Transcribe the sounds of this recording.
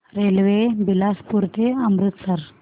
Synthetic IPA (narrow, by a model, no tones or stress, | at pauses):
ɾelʋebilaspuɾt̪eəmɾut̪səɾ